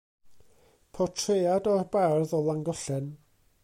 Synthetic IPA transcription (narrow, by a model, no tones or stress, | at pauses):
pʰɔtʰrejadɔrbarðɔlˠaŋɡɔɬɛn